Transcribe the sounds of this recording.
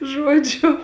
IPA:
ˈʒuɔd͡ʒʲʊ

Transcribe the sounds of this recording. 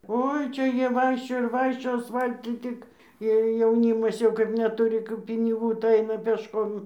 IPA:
ˈoːɪ ˈt͡ʃʲɛ ˈjiɛ ˈʋɐɪkʃʲt͡ʃʲoːjoː ɪr ˈʋɐɪkʃʲt͡ʃʲoːjoː ɐsˈfɐlˠtʊ ˈtʲɪk ɪr jɛʊˈnʲiːmɐs jɛʊ kɐɪp nʲɛˈtʊrʲɪ kɐp pʲɪnʲɪˈɡuː tɐɪ ˈɐɪnɐ pʲeːʃˈkoːm

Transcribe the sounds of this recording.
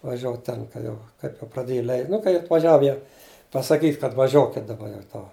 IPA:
ʋɐˈʒʲuɔt ˈtʲɛn kɐ ˈjɛʊ ˈkɐɪ nʊ prɐˈdʲeːj ˈlʲɛɪ nʊ kɐɪ ɐtʋɐˈʒʲɛw jɛʊ pɐsɐˈkʲiːtʲ kɐt ʋɐˈʒʲoːkʲɪtʲ dɐˈbɐ jɛʊ ˈtoː

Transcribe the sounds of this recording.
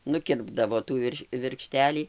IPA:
nʊˈkʲɪrbdɐʋoː ˈtuː ʋʲɪrʃ ʋʲɪrkˈʃʲtʲæːlʲiː

